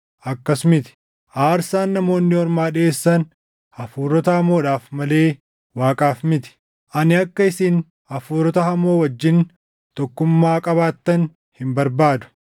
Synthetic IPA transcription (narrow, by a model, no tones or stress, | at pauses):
ʔɐkːɐsmɪt̪ɪ̥ | ʔaːɾsaːnːɐmo̞ːnːɪɔɾmaːᶑɪe̞ːsːɐn | ɐfuːɾɔt̪ɐhɐmo̞ːᶑaːfmɐle̞ː | waːkʼaːfmɪt̪ɪ̥ | ʔɐnɪɐkːɐɪsin | ɐfuːɾɔt̪ɐɦɐmo̞ːwɐd͡ʒːɪn | t̪ɔkːʊmːaːkʼɐβaːt̪ːɐn | hɪmbɐɾbaːd̪ʊ̥